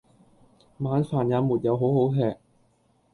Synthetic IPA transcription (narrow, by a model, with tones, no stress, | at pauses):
maː˨˧nfaː˨˩njaː˨˧muː˨˩t̚jɐ˨˧wɦo˨˥who˨˥wtʰɛː˨˩k̚